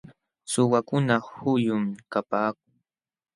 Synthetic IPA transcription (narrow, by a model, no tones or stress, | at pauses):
sʊwakʊnahʊjʊmkapaːk̚ʊŋ